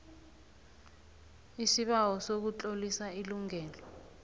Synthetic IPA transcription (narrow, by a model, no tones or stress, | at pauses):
isiɓawɔsok̬ut͡ɬʼolisailuŋɛːlɔ